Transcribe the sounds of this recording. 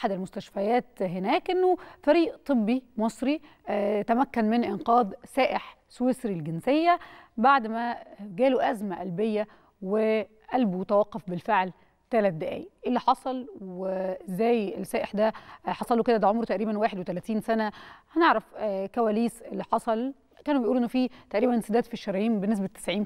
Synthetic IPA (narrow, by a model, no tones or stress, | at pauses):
ʔaħad̪ɪlmʊst̪æʃfæjæːt̪ɦenæːkʔenːofæɾiːʔt̪ˤɨbːimɑsˤɾi | t̪æmækːænmɪnʔɪnqɑːðˤsæːʔeħ | swesɾilɡensejːæbaʕd̪mæɡæːloʔæzmæʔælbejːæ | we | ʔælbut̪æwæqːofbɪlfeʕl | t̪ælæt̪̚d̪æʔæ̰ːjiʔelːiħɑsˤɑlwezæːjelsæːʔeħd̪æħɑsˤɑluked̪æd̪æʕomɾt̪æʔɾiːbænwaːħed̪wet̪ælæːt̪iːnsænæhæneʕɾæfkæwæːliːselːiħɑsˤɑl | kæːnubejʔuːlʔenːofit̪æʔɾiːbænesed̪æːd̪fiʃːɑɾˤɑjiːmbenːes̬bæt̪ːæ̥sʕiːm